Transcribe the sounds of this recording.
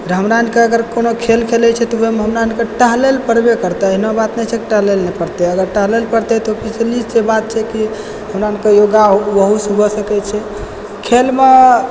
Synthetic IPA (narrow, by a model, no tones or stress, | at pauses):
ɾɦəmɾaənkeəɡəɾkonokʰelkʰelɛt͡ʃʰɛt̪ɔoɦimeɦəmɾaənkeʈəɦlelpəɾbekəɾt̪ɛəɦinabat̪nɛt͡ʃʰekʈəɦlelnɛpəɾt̪ɛəɡəɾʈəɦlelpəɾt̪ɛt̪opit͡ʃʰlisebat̪̚t͡ʃʰɛki | ɦəmɾaənkejoɡabəɦusubʱɔsəkɛt͡ʃʰɛ | kʰelme